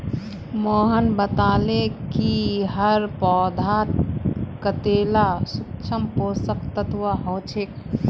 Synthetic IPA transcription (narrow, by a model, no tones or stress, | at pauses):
moːɦənbət̪aːlekiɦəɾpɔːd̪ʱat̪kət̪eːlasukt͡ʃʰəmposəkt̪ət̪ʋəɦoːt͡ʃʰek̚